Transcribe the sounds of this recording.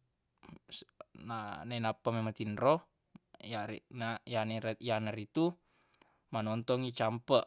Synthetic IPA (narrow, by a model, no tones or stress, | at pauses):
snanainapamemat̪inrɔ | janajanjanaɾit̪u | manɔnt̪ɔŋit͡ʃampəʔ